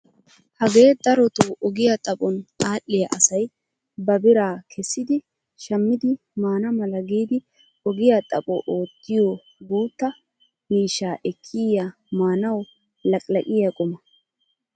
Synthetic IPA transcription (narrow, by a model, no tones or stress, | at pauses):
hɐɡeːd̪ɐɾɔt̪oʔɔɡɪjɐt̪ʼɐpʼɔnaːʔːɪjɐʔɐsɐj | bɐbɪɾaːkʰɛsːɪd̪ɪ | ʃɐmːɪd̪ɪ | maːnɐmɐlɐɡiːd̪ɪ | ɔɡɪjat̪ʼɐpʼɔʔoːt̪ːɪjo | ɡuːt̪ːɐ | miːʃːaːʔɛkʰːɪja | maːnɐw | lɐkʼlɐkʼɪjɐkʼʊmɐ